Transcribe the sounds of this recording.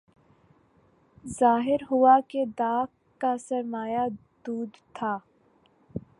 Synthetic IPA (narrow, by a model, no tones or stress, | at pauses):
zaːɦɪɾɦʊaked̪aːk | kːasɐɾmaːjad̪uːd̪t̪ʰaː